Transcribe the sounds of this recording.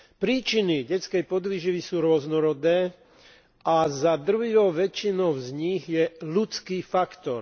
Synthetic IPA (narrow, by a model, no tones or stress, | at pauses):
pɾiːt͡ʃiniɟɛt͡skɛjpɔd̪ʋiʒiʋisuːɾʊɔznɔɾɔd̪ɛː | azad̪ruɦijɔʊʋɛt͡ʃinɔʊzɲiɣjɛlut͡skiːfakt̪ɔɾ